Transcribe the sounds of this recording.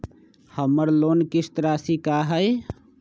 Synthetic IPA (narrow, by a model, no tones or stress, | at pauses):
həməɾloːnkist̪ɾaːsikaɦəe